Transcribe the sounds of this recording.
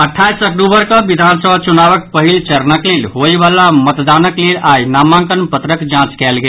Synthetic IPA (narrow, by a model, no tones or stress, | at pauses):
əʈʰːajsəkʈubəɾkəbid̪ʱansəbʱat͡ʃunabək̚pəɦilt͡ʃəɾnəklelɦojbalamət̪d̪anəklelajnamãŋkənpət̪ɾəkd͡ʒãt͡ʃkɛlɡel